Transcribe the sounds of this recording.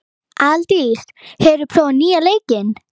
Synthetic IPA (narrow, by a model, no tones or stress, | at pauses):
alt̪is | hɛɾʏpʰɾɔːniːaleːjcɪn